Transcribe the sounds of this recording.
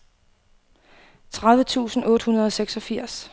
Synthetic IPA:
t͡sʰʁaðˠʋət͡sʰṵːsn̩ɔ̽ːdəhunɐð̞ˠɒ̽seɡ̥sɒ̽fiɐ̰s

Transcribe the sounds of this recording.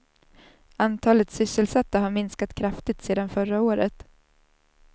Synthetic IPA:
ant̪ʰɑːlət̪sʏsːəlsat̪ːaɦaɾmɪnskat̪kʰɾaft̪ɪt̪seːd̪anfœɾaoːɾət̪

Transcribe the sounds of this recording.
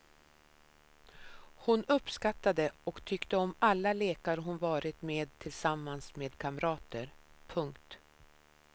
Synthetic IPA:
hʊnɵpːskat̪ːad̪əɔkt̪ʰʏkt̪əɔmalːaleːkaɾɦʊnvɑːɾɪt̪meːd̪̚t̪ʰːɪlsamːansmeːd̪kʰaməɾɑːt̪əɾpʰɵŋkt̪

